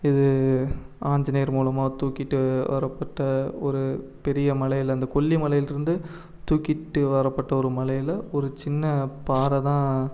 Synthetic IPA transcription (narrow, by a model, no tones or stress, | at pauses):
ɪðɯ | aːɲd͡ʒɐnɐejɐɾmuːlɐmaːt̪uːkɪʈːɯʋɐ̰ɾɐpːɐʈːɐɔɾɯpɛɾɪjɐmɐlɐjɪlɐnd̪ɐkɔɭːimɐɭɐjɪlɪɾɯnd̪ɯ | t̪uːkːɪʈːɯʋɐɾɐpːɐʈːɐɔɾɯmɐɭɐjɪlɐɔɾɯt͡ʃɪnːɐpaːɾɐt̪ãː